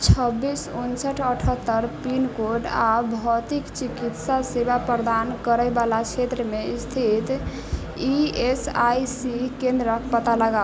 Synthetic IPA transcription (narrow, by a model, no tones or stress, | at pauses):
t͡ʃʰəbːisunsəʈʰəʈʰət̪ːəɾpinkoɖabʱɔt̪ikt͡ʃikit̪sasebapɾəd̪ankəɾəjbalat͡ʃʰet̪ɾəmeist̪ʰit̪ | iesajsikẽnd̪ɾəkpət̪aləɡa